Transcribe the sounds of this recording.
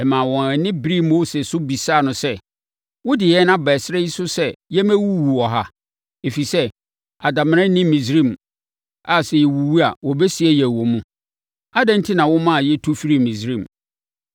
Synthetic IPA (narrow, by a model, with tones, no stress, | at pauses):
ɛ˨mã˨wɔ̃˨æ˨nɪ̃˦bɾi˦mo˦se˨sʊ˦bi˨saː˦˨nʊ̃˨sɛ˦ | wʊ˦dɪ˨jɛ˦nã˦bɛ˨sɾɛ˦ji˦sʊ˦sɛ˦jɛ˦mæ̃˦wu˦wu˨ɔ˨ɦa˦ | e˨fi˨sɛ˦ | a˨da˨m̃˦ɾɛ̃˦nɪ̃˦mːĩ˨sɾĩ˦˨m | a˨sɛ˨jɛ˨wu˨wu˦a˨wɔ˨bɛ˦si˨ɛ˦jɛ˨wɔ˨mũ˦ | a˦dɛ̃˦n̩˦tʰi˦nã˨wɔ˦mã˦a˨jɛ˦tʰu˦fi˦ɾi˦˨mĩ˨sɾĩ˦˨m